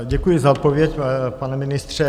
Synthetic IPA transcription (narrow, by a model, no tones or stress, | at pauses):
ɟɛkujɪzaot̪̚povjɛcpanɛmɪnɪst̪r̝̥ɛ